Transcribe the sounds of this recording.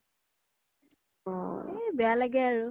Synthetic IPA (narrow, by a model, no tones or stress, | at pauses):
ɔebɛjalaɡɛaɹu